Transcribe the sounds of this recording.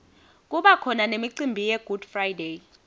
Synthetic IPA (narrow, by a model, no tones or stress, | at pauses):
k̬ʼuɓakʰɔnanemiǀimbʱijɛɡ̥ʱud̥frajde